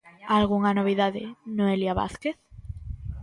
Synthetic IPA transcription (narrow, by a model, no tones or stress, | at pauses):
alɣuŋanoβ̞iðaðḛnoeljaβa̰θkeθ